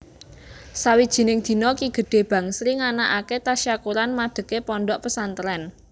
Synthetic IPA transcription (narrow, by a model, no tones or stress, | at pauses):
sawid̥ʒ̥i̤nɪŋd̪̥i̤nɔkiɡ̥ə̤ɖ̥e̤b̥ä̤ŋsɾiŋanaʔaket̪aʃjakuɾanmaɖ̪̥ə̤kepɔɳɖɔʔpəsant̪əɾɛn